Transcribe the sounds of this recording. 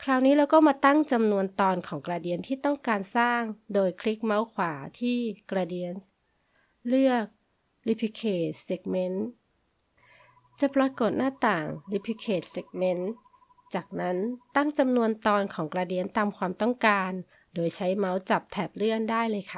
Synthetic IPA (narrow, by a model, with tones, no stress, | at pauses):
kʰɾaː˧˩wniː˦˥lɛː˧˥wkɔː˥˩maː˧t̪a˥˩ŋt͡ɕa˧mnu˧ənt̪ɔː˧nkʰɔː˩˦ŋkɾaː˧di˧ənt̪ʰiː˥˩t̪ɔ˥˩ŋkaː˧nsaː˥˩ŋdoː˧jkʰli˦˥k̚ma˦˥wkʰwaː˩˦t̪ʰiː˥˩kɾaː˧diː˧ən | lɯ˥˩ək̚ | li˦˧pʰi˧˥kʰeː˧˩se˨˦˩k̚me˧˦˥n | t͡ɕa˨˩pɾa˧ko˨˩t̪̚naː˥˩t̪aː˨˩ŋli˦˧˥pʰi˧˥kʰeː˨˩t̪̚se˨˦˩k̚me˦˥n | t͡ɕaː˨˩k̚na˦˥nt̪a˥˩ŋt͡ɕa˧mnu˧ənt̪ɔː˧nkʰɔː˩˦ŋkɾaː˧di˧ənt̪aː˧mkʰwaː˧mt̪ɔ˥˩ŋkaː˧n | doː˧jt͡ɕʰa˦˥jma˦˥wt͡ɕa˨˩p̚t̪ʰɛː˨˩p̚lɯ˥˩əndaː˥˩jlɤː˧jkʰa˦˥˩